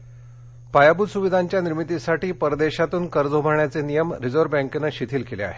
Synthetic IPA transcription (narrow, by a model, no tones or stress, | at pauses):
pajabuːd̪suʋid̪ʱaɲt͡ɕjaniɾmit̪isaʈiːpəɾd̪eɕat̪uːnkəɾd͡zʱobʱaɳjat͡senijəmɾid͡zoɾbãŋkenəɕit̪ʰiːlkelea̰ɦe